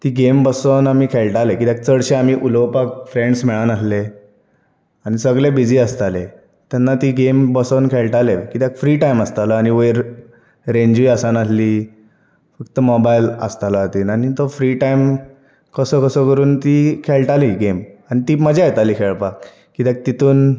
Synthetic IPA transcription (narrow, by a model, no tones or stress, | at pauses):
t̪iːɡembəsənam̤iːkʰeɭʈalekit̪jak̚t͡səɽɕeam̤iːʔuləwpakfɾẽɳɖsmiɭanasle | añisəɡɭebid͡ʑiːəst̪ale | t̪janːat̪iːɡembəsənkʰeɭʈalekit̪jakfɾiːʈajməst̪aləaɽ̃iʋəjɾ | ɾeɲd͡ʑʋiasanasliː | fəkt̪əmɔbajlə̰st̪alaat̪iːnanit̪ɔfɾiʈaim | kəsəːkəsəkəɾuːnt̪iːkʰeɭʈaliɡemanit̪iːməd͡ʑʱajt̪aliːkʰeɭpakː | kit̪jak̚t̪it̪ʰuːn